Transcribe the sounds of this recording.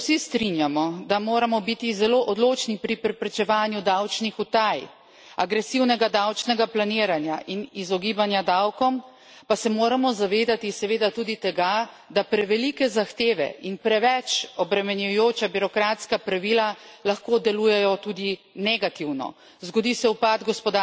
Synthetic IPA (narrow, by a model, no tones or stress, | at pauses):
sist̪ɾinjamɔd̪amoːɾamɔbit̪izɛloʔɔd̪loːt͡ʃnipɾipɾɛpɾɛt͡ʃɛʋaːnjud̪awt͡ʃnixut̪aj | aɡɾɛsiwnɛɡad̪awt͡ʃnɛɡaplaniːɾanjaʔinizɔɡiːbanjad̪awkɔm | pasɛmoːɾamɔzaʋeːd̪at̪isɛʋeːd̪at̪uːd̪it̪ɛɡa | d̪apɾɛʋɛlikɛzaxt̪eːʋɛ̰inpɾɛʋɛt͡ʃɔbɾɛmɛnjujoːt͡ʃabiɾɔkɾat̪skapɾaʋilalaxkoːd̪ɛluːjɛjɔt̪ud̪inɛɡat̪iwnɔ̰ | zɡɔd̪isɛupad̪ɡɔspɔd̪a